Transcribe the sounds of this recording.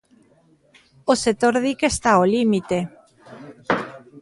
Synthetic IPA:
osek̚t̪oɾðikest̪aolimit̪e

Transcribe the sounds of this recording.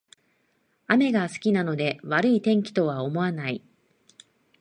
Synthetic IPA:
ame̞ɡasɨ̥kʲinano̞d̪e̞βaɾɯ̟it̪ẽ̞ŋkʲi̥t̪o̞βao̞mo̞anai

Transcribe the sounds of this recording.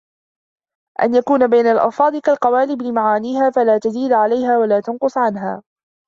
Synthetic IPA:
ʔa̰njakuːnabajnalʔɑ̰lfɑːd̪ˤɪkalqɑwaːlɪblɪmaʕaːniːhaːfalaːt̪aziːd̪ʕalajhaːwalaːt̪anqʊsˤʕanɦaː

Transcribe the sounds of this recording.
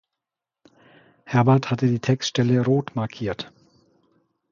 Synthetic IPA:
hɛɐbɛɐthatədiːtʰɛkstʃtɛləʁoːtmaɐkʰiːɐt

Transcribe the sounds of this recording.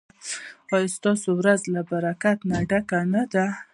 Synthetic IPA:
ɑjst̪ɑsowɾazlabaɾakat̪naɖakanad̪a

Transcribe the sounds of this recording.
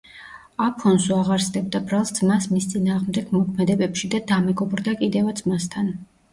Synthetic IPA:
apʰɔnsuaʁaɾsd̪ɛb̚d̪abɾalˠsd̪z̥masmist̪sʼinaːʁmd̪ɛɡ̥mɔkʰmɛd̪ɛbɛpʃid̪ad̪amɛɡɔbɾd̪akʼid̪ɛvad̪zmast̪ʰan

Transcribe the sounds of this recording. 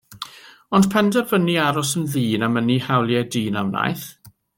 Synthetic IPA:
ɔnd̥pʰɛndɛrvəniaɾɔsənðiːnamənihawlˠjɛdiːnawna̰jθ

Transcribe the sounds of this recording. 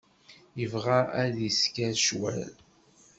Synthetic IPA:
jəvʁaæðiskæɾʃwæ̰l

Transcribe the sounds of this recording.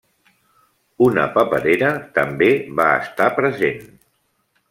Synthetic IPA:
unə̰pəpəðeɾət̪əmbeβaə̰st̪apɾəzen

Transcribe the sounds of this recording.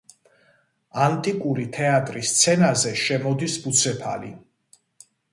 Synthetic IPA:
ant̪ʼikʼuɾit̪ʰɛat̪ʼɾist̪sʰɛnazɛʃɛmɔd̪isbut̪sʰɛpʰa̰lḭ

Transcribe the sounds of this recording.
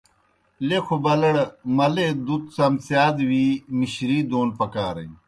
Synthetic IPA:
lekʰobɐlɐɽmɐled̪ut̪sɐmsjaːd̪wiːmiɕɾiːd̪oːnpɐkaːɾɐ̰j

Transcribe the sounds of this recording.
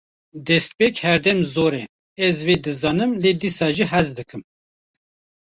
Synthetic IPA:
d̪ɛst̪̚peːkhɛɾd̪ɛmzoːɾɛ | ɛzveːd̪ɨzɑːnɨmleːd̪iːsɑːʒiɦɛzd̪ɨkʰɨm

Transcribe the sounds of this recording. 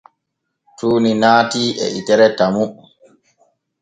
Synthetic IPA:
tuːninaːtiːʔɛ̰ʔitɛɾɛtamu

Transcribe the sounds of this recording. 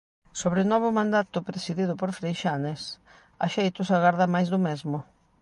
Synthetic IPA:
soβɾɪnɔβʊmãnd̪at̪ʊpɾesiðiðʊpoɾfɾejʃanes | a̰ʃejt̪ʊsaɣaɾðamajzðʊmɛzmʊ

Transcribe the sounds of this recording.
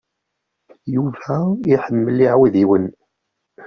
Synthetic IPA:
juvæiħəmːəlːiʕwiðiwən

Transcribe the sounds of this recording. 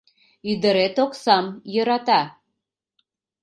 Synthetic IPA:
yd̪əɾet̪oksɑmjəɾɑt̪ɑ

